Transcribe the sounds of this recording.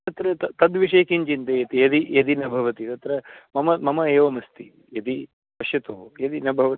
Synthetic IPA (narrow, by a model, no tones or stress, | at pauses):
t̪ɐt̪ɾɐt̪ɐt̪ɐd̪ʋiʂeːkiɲt͡ʃint̪ejɐt̪ijɐd̪ijɐd̪inɐbʱɐʋɐt̪it̪ɐt̪ɾɐmɐmɐmɐmɐeːʋɐmɐst̪i | jɐd̪i | pɐʃjɐt̪oːjɐd̪inɐbʱɐʋɐi